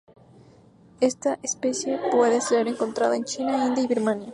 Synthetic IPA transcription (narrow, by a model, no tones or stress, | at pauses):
e̞st̪aʔespe̞sje̞pweðeseɾeŋko̞nt̪ɾa̰ðaent͡ʃinaĩnd̪jaiβiɾmanja